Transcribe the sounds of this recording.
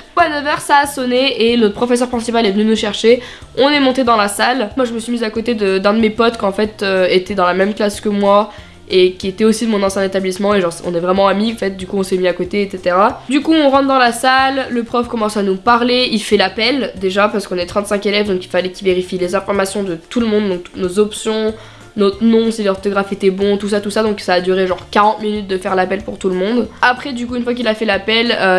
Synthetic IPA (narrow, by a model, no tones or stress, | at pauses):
anəvœʁsaːsɔneenɔt̪χəpχɔfɛs̬œʁpχɛ̃sipalɛvənynuʃɛʁʃe | ɔ̃nɛmɔ̃t̪ed̪ɑ̃lasalmwaʒəməsɥimizakot̪ed̪əd̪ɛ̃d̪əmepɔt̪kɑ̃fɛt̪øet̪ɛd̪ɑ̃lamɛmklaskəmwa | ekʲiet̪ɛosid̪mɔ̃nɑ̃sjɛ̃d̪et̪ablismɑ̃eʒɑ̃sɔ̰̃nɛvʁɛmɑ̃amiɑ̃fɛt̪̚d̪ykuɔ̃sɛmiakot̪eːt̪set̪eʁad̪ykuɔ̃ʁɑ̃t̪d̪ɑ̃lasalːəpχɔfkɔmɑ̃sanupaʁleilfɛlapɛld̪eʒapaʁsəkɔ̃nɛt̪χɑ̃t̪sɛ̃kelɛvd̪ɔ̃kilfalɛkʲilveʁifilezɛ̃fɔʁmasjɔ̃d̪ət̪uləmɔ̃d̪ːɔ̃k̚t̪u̥t̪nozɔpsjɔ̃ | nɔt̪χnɔ̃silɔʁt̪ɔɡʁafet̪ɛbɔ̃t̪usat̪usad̪ɔ̃ksaːd̪yʁeʒɑ̃ʁkaʁɑ̃t̪minyt̪̚d̪əfɛʁlapɛlpuʁt̪uləmɔ̃d̪apχɛd̪ykuynfwak̬ilafɛlapɛlø